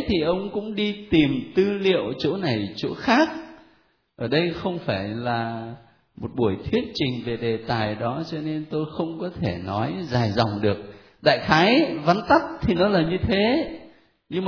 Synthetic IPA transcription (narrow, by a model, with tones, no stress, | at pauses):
t̪ʰi˨˩ʔə˧wŋ͡mkʊ̰˧˥ŋ͡mɗi˧t̪i˨˩mt̪ɨ˧lḭ˧˨əwt͡ɕo˨˦na˨˩jt͡ɕo˧˨˦xaː˦˥k̚ | ʔəː˧˩ɗə˧jxə˧wŋ͡mfaː˧˩jlaː˨˩ | mo˨˩t̚ɓu˧˩əjt̪ʰi˦˥ət̚t͡ɕï˨˩ŋ̟ve˨˩ɗe˨˩t̪aː˨˩jɗɔ˨˦t͡ɕɔ˧ne˧nt̪o˧jxə˧wŋ͡mkɔ˨˦t̪ʰe˧˩nɔ˨˦jzaː˨˩jzɔ˨˩wŋ͡mɗɨ˨˩ək̚ | ɗa̰ː˧˨jxaː˨˦jva˨˦nt̪a˦˥t̚t̪ʰi˨˩nɔ˨˦laː˨˩ɲɨ˧t̪ʰe˨˦ | ɲɨ˧ŋm˨